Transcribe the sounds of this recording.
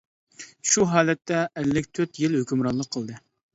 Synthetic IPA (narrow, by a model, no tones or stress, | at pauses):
ʃuɦɑːlɛt̪ːɛːlːɪk̚ʲt̪ʰøt̪jɪlhøkʲymɾɑnlˠəqʰːəlˠd̪ɨ